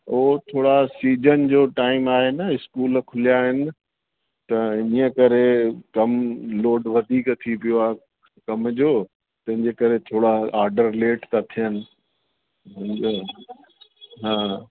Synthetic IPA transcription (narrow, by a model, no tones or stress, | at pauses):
oɦt̪ʰoːɽasiːd͡ʑənd͡ʑoːʈaːɪmaːɦɪnəɪskuːlkʰʊlijaːɦɪnɪ̆ | t̪ɐəkɐɾekɐmloːɖʋɐd̪ʱiːkt̪ʰipijoaːɦe | kɐmd͡ʑoː | t̪ɐ̃ɦɪ̃ɲd͡ʑekɐɾet̪ʰoːɽaaːɾɖəɾleːʈt̪at̪ʰijənɪ̆ | ɦãː